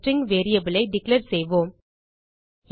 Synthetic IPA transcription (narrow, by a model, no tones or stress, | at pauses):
ʈɾɪŋɡʋeːɾijɐbɪlɐɪɖɪkleɾsɛjʋoːm